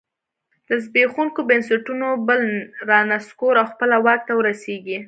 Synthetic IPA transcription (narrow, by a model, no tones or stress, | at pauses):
ləzbexuŋkobənsaʈunobəlɾɑnaskoɾawxpəlawɑk̚t̪awəɾaseɡi